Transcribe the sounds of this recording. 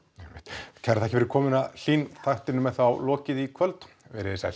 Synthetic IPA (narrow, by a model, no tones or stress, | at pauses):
ɛmɪ̰ht̪cʰɛɾθɛhcɪvɛɾɪ̥ɾkʰɔːmɪnal̥iːnt̪ʰajht̪ɪnʏmːɛðθawlɔːcɪðikʰœlt̪ | vɛɾɪɪsɛ̰l̥